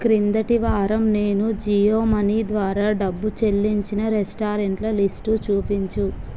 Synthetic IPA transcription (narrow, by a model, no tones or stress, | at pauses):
kɾind̪ɐʈiʋaːɾɐmne̞ːnud͡ʒijoːmɐniːd̪ʋaːɾaːɖɐbːut͡ʃe̞lːiɲt͡ʃinɐɾesʈaːɾeɳʈlɐlisʈut͡ʃuːpiɲt͡ʃu